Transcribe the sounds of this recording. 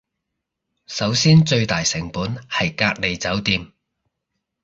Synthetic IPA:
sɐ˨˥wsiː˥nt͡ʃɵ˧ɥt̪aː˨jsɪ˨˩ŋpuː˨˥nhɐ˨jkaː˧k̚le˨˩jt͡sɐ˨˥wt̪iː˧m

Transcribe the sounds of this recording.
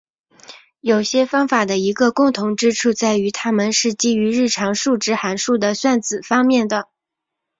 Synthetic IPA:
jo˨˩ʊɕjɛ˥fɑ˥ŋfa˨˩d̪ə˦i˧˥ɡə˧kʊ˥˩ŋt̪ʰʊ˧˥ŋʈ͡ʂɻ̩˥ʈ͡ʂʰu˥˧t͡sa˥˩ɪy˧˥t̪ʰa˥mə˨nʂɻ̩˥˩t͡ɕi˥y˧˥ɻɻ̩˥˩ʈ͡ʂʰɑ˧˥ŋʂu˥˧ʈ͡ʂɻ̩˥xa˧˥nʂu˥˩d̪ə˩swa˥˩nt͡sɹ̩˨˩fɑ˥ŋmjɛ˥˩nd̪ə˩

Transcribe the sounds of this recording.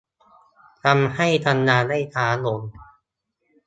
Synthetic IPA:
t̪ʰa˧mha˥˩jt̪ʰa˧nːaː˧da˥˩jt̪ʰaː˩˦lo˧n

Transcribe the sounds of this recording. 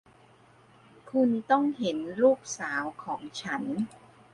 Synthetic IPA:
kʰu˧nt̪ɔ˥˩ŋɦe˩˦nɾuː˥˩k̚saː˩˦wkʰɔː˩˦ŋt͡ɕʰa˦˥n

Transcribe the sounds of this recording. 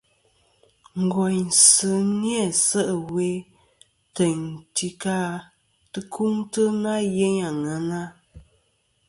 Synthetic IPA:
ŋ̩˨ɡɔ˨jn̩˨sə˨njɛ˦˨sə˦ʔə˨we˦ | te˨ɲ˨ti˨ka˦ | tɨ˦kʰu˦ŋtə˦na˦je˦ɲa˨ŋa˨na˦

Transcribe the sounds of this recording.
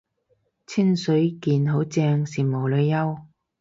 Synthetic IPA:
t͡sʰi˥nsɵ˨˥ɥkiː˨˧nɦo˨˥wt͡sɛː˧ŋsiː˨˩mo˨˩wlɵ˨˧jjɐ˥w

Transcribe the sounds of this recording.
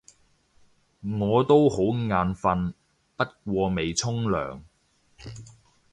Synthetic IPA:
ŋɔː˨˧t̪o˥who˨˥wŋaː˨˧nfɐ˧n | pɐ˥t̚k̚ʷɔː˧me˨jt͡sʰʊ˥ŋlœ̰ː˨˩ŋ

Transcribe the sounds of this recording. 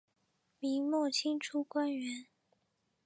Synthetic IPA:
mi˧˥ŋmwɔ˥˩t͡ɕʰi˥ŋʈ͡ʂʰu˥kwa˥nɥɛ˧˥n

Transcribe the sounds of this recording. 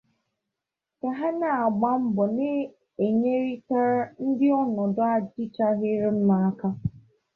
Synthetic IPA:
ka˨ɦa˦na˦˨a˨ɡ͡ba˦m̩˦bʊ˨nɪ˦ | e˨ɲe˦ɾi˦ta˦ɾa˦n̩˦dɪ˦ɔ˦nɔ˨dʊ˦a˦dɪ˦t͡ʃa˦ɣɪ˦ɾɪ˦m̩˦ma˨a˦ka˦

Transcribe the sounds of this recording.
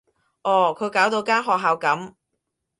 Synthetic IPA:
ʔɔː˨˩kʰɵ˨˧ɥkaː˨˥wt̪o˧wkaː˥nɦɔː˨k̚ɦaː˨˧wkɐ˨˥m

